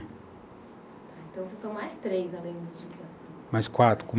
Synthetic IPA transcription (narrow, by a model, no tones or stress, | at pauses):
t̪aẽnt̪ɐ̃w̃sesɐ̃w̃majst̪ɾejzalẽj̃d̪ʊd͡ʒikasɐ̃mɐskwat̪ɾʊ̥kõ